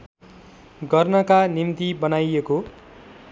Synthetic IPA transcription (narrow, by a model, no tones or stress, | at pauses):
ɡʌrnʌkanimt̪ibʌnajeko